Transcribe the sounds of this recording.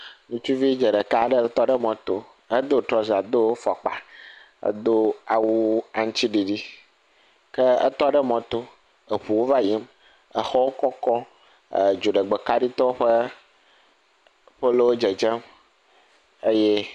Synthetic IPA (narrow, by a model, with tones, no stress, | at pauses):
nũ˨t͡ʃu˦vi˦d͡ʒə˨ɖə˨ka˦˨ɖə˦t̪ɔ˦ɖə˦mɔ̃˨t̪o˨ | ə˦d̪o˦t̪ɾɔ˦za˨d̪o˦fɔ˨k͡pa̰˨ | ə̰˦d̪o˦a˨wu˦a˨ŋ̩̃˦t͡ɕi˦ɖi˨ɖi˦ | kə˦ə̰˦t̪ɔ˦ɖə˦mɔ̃˨t̪o˦ | ə˨ɸu˨wo˦va˦ji˦m | ə˨xɔ˦wo˦kɔ˦kɔ̰˦˨ | d͡ʒo˨ɖə˨ɡ͡be˨ka˦ɖi˦t̪ɔ˦ɸə˦ | ɸə˦lo˦wo˦d͡ʒe˨d͡ʒɛ˦m | ə˦je˦